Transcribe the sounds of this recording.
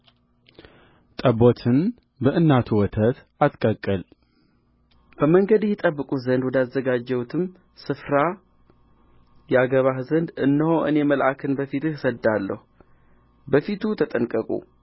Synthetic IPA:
t̪ʼəbot̪ʰɨn | bəʔɨnːat̪ʰuwɔt̪ʰət̪ | at̪kʼəkʼːəl | b̥əməŋɡəd̪jɛt̪ʼəbːɨkʼuzənd̪wɔd̪azːəɡad͡ʒːɛwut̪ʰɨm | sɨfɾa | jɛaɡəβahzənd̪ɨnːəhoʔɨne̞məlʔakʰɨnbəfit̪ɨhsəd̪alːə̰hu | bəfit̪ʰut̪ʰət̪ʼənkʼəkʼṵ

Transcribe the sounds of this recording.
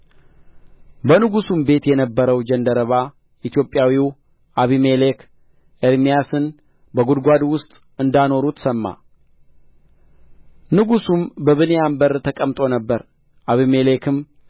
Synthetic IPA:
bənɨɡusumbe̞t̪jɛnəbːəɾəwd͡ʒənd̪əɾəβa | ʔit̪jo̞pʼjawiw | ʔaβimelekʰ | ʔeɾmijasɨn | bəɡud̪ɡʷad̪wʊst̪ʼ | ɨnd̪ano̞ɾut̪səmːa̰ | nɨɡusumbəβɨnejambəɾt̪ʰəkʼəmt̪ʼo̞nəbːəɾ | ʔaβimelekʰɨm

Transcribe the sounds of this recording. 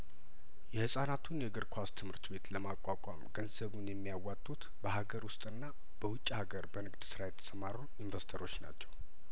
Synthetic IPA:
jɛhɨsʼanat̪ʰunjɛɡɨɾkʰʷast̪ʰɨmhɨɾt̪be̞t̪ləmakʷʼakʷʼamɡənzəβunjɛmːijawːat̪ʼːut̪ | bəɦaɡəɾwʊst̪ʼɨnːa | b̥əwʊt͡ʃʼːihaɡəɾbənɨɡd̪sɨɾajɛt̪ʰə̥səmaɾoninvəst̪ʰəɾo̞t͡ʃːna̰t͡ʃːɛw

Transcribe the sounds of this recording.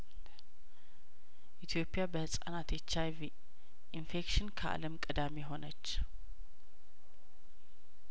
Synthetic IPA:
ʔit̪ʰjo̞pʼːjabəhɨsʼa̰nat̪jet͡ʃːavi | ʔinfe̞kʃɪnkʰəʔa̰ləmkʼɨd̪ame̞ɦo̞nət͡ʃː

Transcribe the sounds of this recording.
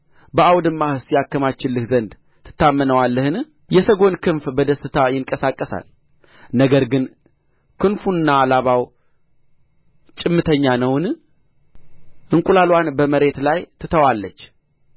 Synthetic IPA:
bəʔawd̪ɨmːahɨsjakːəmat͡ʃːɪlːɨhzənd̪ | t̪ʰɨ̥t̪ːamːənəwalːəhɨn | jɛsəɡo̞nkʰɨnfbəd̪əsɨt̪ʰajɪŋkʼəsakʼːəsa̰l | nəɡəɾɡɨn | kʰɨnfuɨnːaːlaβaw | t͡ʃʼɪmːɨt̪ʰəɲːanəwn | ʔɨŋkʼulalwanbəməɾe̞t̪lajt̪ʰɨt̪ʰəwalːət͡ʃː

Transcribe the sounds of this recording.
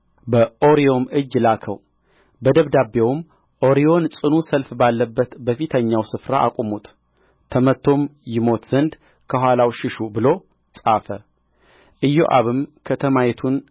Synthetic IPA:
bəʔo̞ɾio̞mɨd͡ʒlakʰə̰w | bəd̪əβd̪abewm | ʔo̞ɾio̞nsʼɨnusəlfbalːəbːət̪bəfit̪ʰəɲːawsɨfɾaʔa̰kʼumut̪ʼʰː | əmət̪ʰːo̞mjɪmo̞t̪z̥ənd̪ | kʰəɦʷalawʃɪʃubɨlo̞ | sʼafə̰ | ʔɨjːo̰ʔa̰βɨmkʰət̪ʰəmajɛt̪ʰun

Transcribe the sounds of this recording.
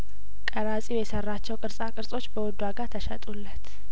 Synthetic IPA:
kʼəɾasʼiwjɛsərːat͡ʃːɛwkʼɨɾsʼakʼɨɾsʼo̞t͡ʃːbəwɔd̪waɡat̪ʰəʃɛt̪ʼulːət̪

